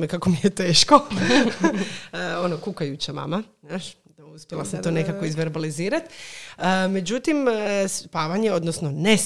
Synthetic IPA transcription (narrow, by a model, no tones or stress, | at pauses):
mekakomijet̪eːʃko | o̞nokukajut͡ɕama̰manaːʃ | uspʲjelasamt̪one̞kako̞izʋe̞ɾbaliziːɾat̪əme̞d͡ʑut̪imspaːʋaɲeod̪nosno̞ne